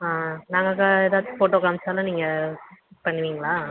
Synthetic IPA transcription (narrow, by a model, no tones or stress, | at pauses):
aːnaːŋɡɐkaeːðaːʋt̪ːɯ̥foːʈːoːkaːmsaːlɐ̃niːŋɡɐ | pɐɳːɯʋiːŋɡɐɭaː